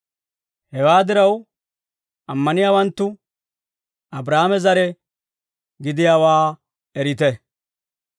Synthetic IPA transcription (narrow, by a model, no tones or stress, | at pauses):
hɛwaːd̪ɪɾɐw | ɐmːɐnɪjaːwɐnt̪ːʊ | ʔɐbɾaːmɛzɐɾɛ | ɡɪd̪ɪjaːwaː | ɛɾɪt̪ɛ